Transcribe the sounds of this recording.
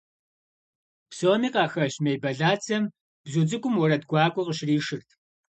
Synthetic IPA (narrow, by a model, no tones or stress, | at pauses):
psoːmiːqɑːxɐʃmejbɐɮaːt͡sʰɐm | b̥zut͡sʼɨkʷʼʊmwɔɾɐdɡʷɑːkʷʼɔqəɕriːʃɨrtʰ